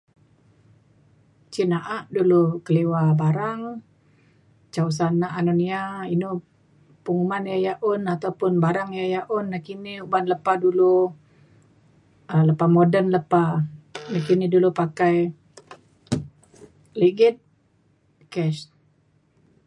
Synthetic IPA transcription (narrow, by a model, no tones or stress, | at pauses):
t͡ʃinaʔaʔdulukəliwabaɾaŋ | t͡ʃaus̬anːaʔːnuniainu | puŋumanjajaʔʊnat̪aupʊnbaɾaŋjajaʔunːakiniubanləpadulu | ələpamodənləpanakinidulupakaj | liɡɪt̪̚ | kɛʃ